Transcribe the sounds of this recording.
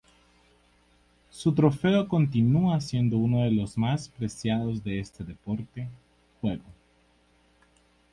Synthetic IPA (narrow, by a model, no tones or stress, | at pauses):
sut̪ɾo̞fe̞oko̞nt̪inuasje̞nd̪o̞uno̞ðe̞lo̞zmaspɾe̞sjaðo̞zðe̞est̪eðe̞po̞ɾt̪e̞ | xwe̞ɣo